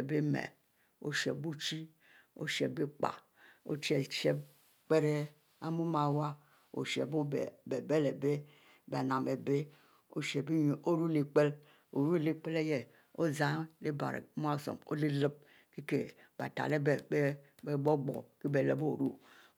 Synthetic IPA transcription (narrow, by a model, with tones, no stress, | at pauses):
be˦mḛ˨ | o̰˨ʃe˨bu˦t͡ʃi˦ | o̰˦ʃe˨be˦k͡pa̰˨ | o̰˦t͡ʃi˦e˨ʃe˦b | k͡pe˦ɾe˦ | a˦mu˦ma˨wa˦ | o̰˨ʃḛ˨bo˦˨be˨be˦le˨be˦˨ | be˨na˨mbe˨be˦ | o̰˦ʃe˨be˦˨o˦ɾu˦le˨k͡pe˦l | o˨ɾu˦le˦k͡pe˦le˦je˨ | o˦za˦le˦ba̰˨ɾḛ˨˦m˦a˦˨so̰˨mo̰˦le˦lə˦b̚ | ke˦ke˨ | ba˨ta̰˨le˦˨˦ | e˦ɡ͡bo˦ɡ͡bo̰˨ke˦be˨le˨˦bo˦˨ɾu˦